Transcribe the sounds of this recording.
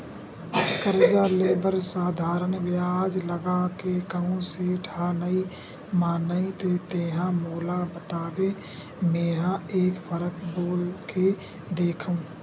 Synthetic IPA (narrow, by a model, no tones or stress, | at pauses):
kəɾd͡ʒaleːbəɾsaːd̪ʱaːɾənʋjaːd͡ʒləɡakekəɦũseɖʱʰaːnəi | maːnəit̪et̪eːɦãmoːlabət̪aːʋe | mẽːɦãeːkpʰəɾəkboːlke | d̪eːkʰũ